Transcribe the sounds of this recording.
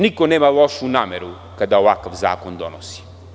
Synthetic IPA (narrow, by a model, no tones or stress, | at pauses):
nikonɛmalˠɔʃunameɾu | kad̪aovakɐfza̰kond̪ɔnɔsi̥